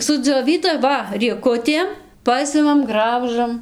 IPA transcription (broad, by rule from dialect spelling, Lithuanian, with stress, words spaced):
sʊd͡zʲoːˈʋʲiːdɐ ˈʋɐ rʲiɛˈkʊtʲeːm ˈpɑːsʲɪmɐm ˈɡrɐʊʒɐm